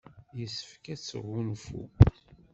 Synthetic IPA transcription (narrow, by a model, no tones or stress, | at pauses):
jəsːə̥fkæt͡sːə̰ʁːunfṵ